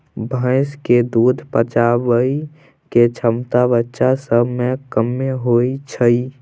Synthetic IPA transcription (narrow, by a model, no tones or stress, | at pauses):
bʱə̃ɪsked̪ud̪ʱpət͡ʃabəi | ket͡ʃʰəmt̪abətːʃasəbmekəmːeɦoit͡ʃʰəi